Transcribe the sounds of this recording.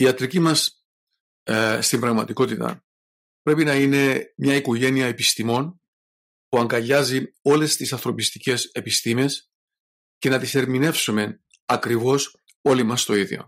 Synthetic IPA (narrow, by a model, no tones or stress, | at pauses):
iɐt̪ɾicimɐs | st̪imbɾɐɣmɐt̪iko̞t̪it̪ɐ̰ | pɾe̞pinɐine̞mɲɐikoʝe̞niɐepist̪imo̞n | puɐŋɡɐʎɐzio̞le̞st̪isɐnθɾo̞pist̪i̥ce̞se̞pist̪ime̞s | ce̞nɐt̪ise̞ɾmine̞fsume̞ | ɐkɾivo̞s | o̞limɐst̪o̞iðjo̰